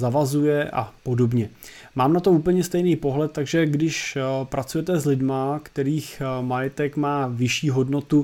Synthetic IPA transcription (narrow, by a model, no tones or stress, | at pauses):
zavazujɛʔa̰po̞do̞bɲɛmaːmnat̪ouːpl̩ɲɛst̪ɛjniːpo̞ɦlɛt̪̚t̪ːaɡʒɛɡdɪʃpɾat͡sujɛt̪ɛzlɪdmakt̪ɛɾiːxmajɛt̪ɛkmaːvɪʃiːɦo̞dno̞t̪u